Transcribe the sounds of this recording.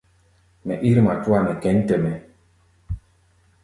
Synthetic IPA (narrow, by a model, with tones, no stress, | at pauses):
mɛ̰˨ʔi˦ɾma˨twa˦˨mɛ˨kɛ˨˦n˦tɛ˨mɛ˨